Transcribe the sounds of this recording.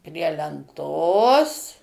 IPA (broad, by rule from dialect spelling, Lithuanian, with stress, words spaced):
pʲrʲiɛ lʲɛnˈtoːs